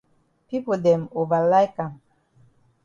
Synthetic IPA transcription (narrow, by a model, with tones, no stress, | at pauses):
pi˦po˨dɛ˨mo˨va˨la˦jka˨m